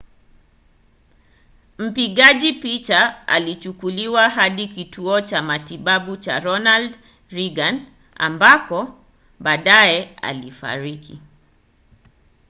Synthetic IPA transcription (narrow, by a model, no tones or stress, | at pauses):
m̩piɠaʄipit͡ʃaa̰lit͡ʃukuliwaɦaɗikitʰuɔt͡ʃamatiɓaɓut͡ʃa̰ɾɔnald | ɾiɡan | a̰mbakɔ | ɓaːɗaɛa̰lifa̰ɾiki